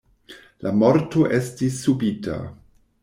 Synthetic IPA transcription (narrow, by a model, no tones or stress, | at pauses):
lamoɾto̞ʔestisːubita̰